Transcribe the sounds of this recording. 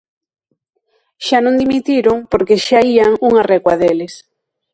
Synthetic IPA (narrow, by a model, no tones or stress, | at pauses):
ʃanõŋd̪imit̪iɾoŋpoɾkeʃaiaŋuŋarɛɣwaðelɪs